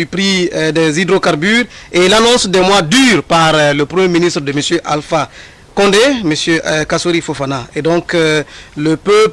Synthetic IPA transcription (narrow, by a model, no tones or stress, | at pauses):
ypɾidɛzid̪ɾokaʁbyːʁeilanɔ̃sd̪ɛmwãdyːɾpaʁləpɾəmjeminist̪ɾdəməsjøʔa̰lfa | kɔ̃ndeməsjøkasoɾifofanaedɔ̃ŋk | ləpøp